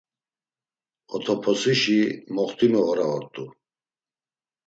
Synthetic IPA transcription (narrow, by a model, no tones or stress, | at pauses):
ɔt̪ʰɔpʰɔsiʃimɔχt̪ʰʼimɔɔɾaɔɾt̪ʼu